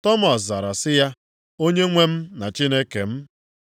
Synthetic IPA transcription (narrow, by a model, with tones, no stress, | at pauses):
tɔ˦mɔ˨s̬za˨ɾa˨sɪ˦ja˦ | o˦ɲe˦ŋʷe˦m̩˦na˨t͡ʃi˦ne˦ke˨m̩˦